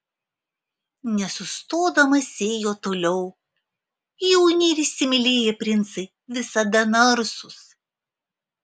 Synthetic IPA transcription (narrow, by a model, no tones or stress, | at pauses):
nʲɛsʊst̪oːd̪ɐmɐsʲeːjoːt̪oːlʲɛʊ | jɛʊnʲɛːɾʲɪʃsʲɪmʲɪlʲeːjɛpʲɾʲɪnt̪sɐɪ | ʋʲɪsɐd̪ɐnɐɾsʊs